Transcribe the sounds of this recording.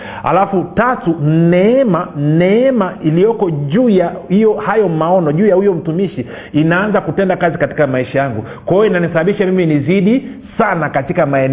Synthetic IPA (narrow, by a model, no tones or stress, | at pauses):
ha̰lafutatun̩nɛɛman̩nɛɛmailijɔkɔʄuːjahijɔhajɔmaɔnɔʄuːjahujɔm̩tumiʃi | inaanzakutɛndakazikati̥kamaiʃajaŋɡu | kwaijɔinanisaɓaɓiʃamiminiziɗi | sanakatikamaɛn